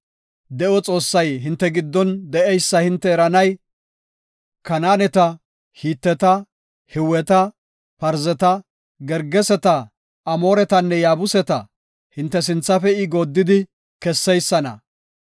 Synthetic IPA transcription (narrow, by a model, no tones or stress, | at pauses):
d̪ɛʔɔt͡sʼo̞ːsːɐjɦɪnt̪ːɛɡɪd̪ːɔnd̪ɛʔɛjsːɐhɪnt̪ːɛɛɾɐnɐj | kɐnaːnɛt̪ɐ | hiːt̪ːɛt̪ɐ | hɪwɛt̪ɐ | pɐɾzɛt̪ɐ | ɡɛɾɡɛsɛt̪ɐː | mo̞ːɾɛt̪ɐnːɛjaːbʊsɛt̪ɐ̰ | hɪnt̪ːɛs̬ɪnt͡sːɐfɛɪɡoːd̪ːɪd̪ɪ | kɛsːɛjsːɐnɐ̰